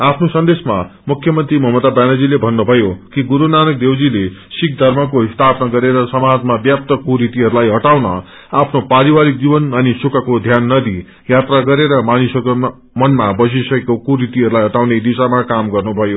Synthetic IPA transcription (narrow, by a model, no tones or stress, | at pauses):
apʰnosʌnd̪esmamukʰjʌmʌnt̪rimʌɦmʌt̪abanʌd͡zilebʱʌnːubʱʌjokiɡuɾunanʌk̚d̪ewd͡zilesik̚d̪ʱʌrmʌkoɦist̪ʰapnʌɡʌɾeɾʌsʌmad͡zmabjap̚t̪ʌkuɾit̪iɦʌɾulajɦʌʈawnʌ̰ | apʰnopaɾiwaɾik̚d͡zibʌnʌnisukakod̪ʱjanːʌd̪i | jat̪raɡʌɾeɾʌmanisʌk | mʌnmabʌs̬isʌkekokuɾit̪iɦʌɾulajɦʌʈawned̪isamakamɡʌrnubʱʌjo